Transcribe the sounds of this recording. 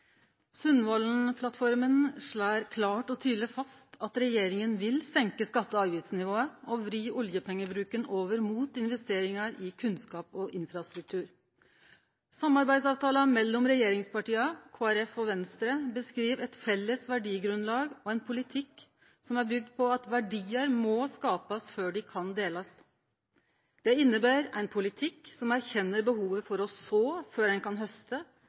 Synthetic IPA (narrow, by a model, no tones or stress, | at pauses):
sʉnːʋɔlnpʰlɑt̪fɔɾmənʂɭæːɾkʰlɑːʈɔt̪ʰyːd̪ləfɑst̪ɑt̪ɾɛjeːɾɪŋənʋɪlsɛŋkəskɑt̪ːəɑːʋjɪt̪snɪʋoːəɔʋɾyːʔʊljəpʰɛŋːəbɾʉːkənoːʋəɾmuːt̪ɪnʋɛst̪eːɾɪŋɑɾɪkʰʉnskɑːpɔʔɪnfɾɑst̪ɾʉk̚t̪ʰʉːɾ | sɑmɑɾbæɪsɑːʋt̪ʰɑːlɑmɛlːɔmɾɛjeːɾɪŋspɑʈiːɑkʰoːæɾɛfɔʋɛnst̪ɾəbəskɾiːʋɛt̪fɛlːəsʋæɖiːɡɾʉnlɑːɡɔɛɪnpʰʊlɪt̪ʰɪk | sɔmæɾbʏɡ̚d̪̚pʰɔɑt̪ʋæɖiːəɾmɔskɑːpəsføːɖɪkʰɑnd̪eːləs | d̪̥ɛɪnːəbæːɾæɪnpʰʊlɪt̪ʰɪksɔmæɾçɛnːəɾbəhuːʋəfɔɾɔsoːføːɾɛnkɑnɦœst̪ə